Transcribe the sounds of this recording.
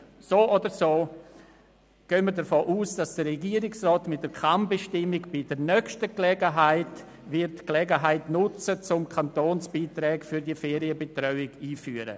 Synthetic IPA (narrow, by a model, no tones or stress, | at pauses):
soːʔodəɾsoː | ɡ̥ønməɾdəfoːʔuːsd̥asd̥ərɛɡiəɾɪksrɔːtmɪt̚d̥əkʰambɛʃtɪmːɪkb̥ɪdənœkʃtəklɛɡəɦaɪt | vɪɾtklɛɡəɦaɪtnʊt͡sət͡sʊmkʰantoːnsb̥iːtɾɛːkfyɾdiəfeːɾiəbetrɔʏɪɡiːfyːəɾə̰